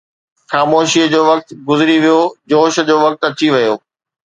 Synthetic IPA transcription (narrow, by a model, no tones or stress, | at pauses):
xaːmoːʃiːəd͡ʑoːʋɐk̚t̪ɡʊzɪɾiʋijod͡ʑoːʃ̆d͡ʑoːʋɐk̚t̪ɐt͡ɕiʋɐjoː